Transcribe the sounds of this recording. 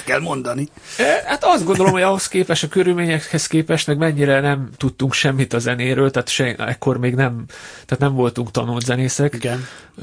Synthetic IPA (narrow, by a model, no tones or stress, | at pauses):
kɛlmo̞nd̪ɒni | hat̪ɒzd̪ɡo̞nd̪o̞lo̞mhoɒɦo̞skeːpɛʃɒkøɾylmeːɲɛkhɛskeːpɛʃt̪nɛkmɛɲːiɾɛnɛmt̪ut̪ːuŋkʃɛmːit̪ɒzɛneːɾøːlt̪ɛːt̪ʃɛɛkːo̞rmeːɡnɛmt̪aːt̪nɛɱvo̞lt̪uŋkt̪ɒnult̪zɛneːsɛkiɡɛn